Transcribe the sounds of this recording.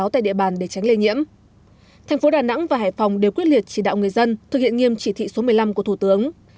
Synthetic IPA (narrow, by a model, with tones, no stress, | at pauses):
wt̪a̰ː˧˨jɗḭ˧əɓaː˨˩nɗe˧˩t͡ɕa˨˦jŋle˧ɲḭ˧˥əm | t̪ʰɛ˨˩ŋ̟fo˨˦ɗaː˨˩na̰˧˥ŋvaː˨˩ɦaː˧˩jfɔ˨˩wŋ͡mɗe˨˩wkwi˦˥ət̚li˨˩ət̚t͡ɕi˧˩ɗa̰ː˧˨wŋɨ˨˩əjzə˧nt̪ʰɨ˨˩k̚hḭ˧˨əŋi˧əmt͡ɕi˧˩t̪ʰḭ˧˨so˨˦mɨ˨˩əjla˧mku˧˩ət̪u˧˩t̪ɨ˨˦əŋ